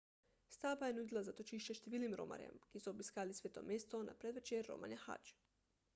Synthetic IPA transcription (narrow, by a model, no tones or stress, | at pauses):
st̪aːbajenud̪ilˠazat̪ot͡ʃiʃt͡ʃeʃt̪iʋiːlnimɾo̰ma̰ɾjḛmkisuobiskaːlisʋeːt̪o̞̰mjeːst̪ona̰pɾed̪ʋet͡ʃeɾːo̰ma̰ɲaxa̰t͡ʃ